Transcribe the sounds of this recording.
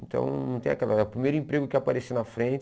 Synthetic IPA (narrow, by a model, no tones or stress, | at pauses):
nt̪ɐ̰̃w̃nnɐ̃w̃t̪ẽakɛlɐɛʊpɾimejɾʊĩmpɾeɡʊkɪapaɾesenɐfɾẽt͡ʃ